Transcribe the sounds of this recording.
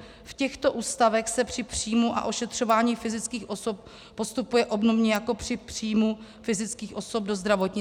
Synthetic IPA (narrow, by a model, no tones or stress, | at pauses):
fcɛxt̪o̞ʔuːst̪avɛxsɛpr̥ɪpr̝̥ijmuʔa̰ʔo̞ʃɛt̪r̝̥o̞vaːɲiːfɪzɪt͡skiːxʔo̞sop̚ | po̞st̪upujɛʔo̞bnovɲɛjako̞pr̥ɪpr̥iːjmu | fɪzɪt͡skiːxʔo̞so̞b̚do̞zd̪ɾavo̞t̪ɲɪ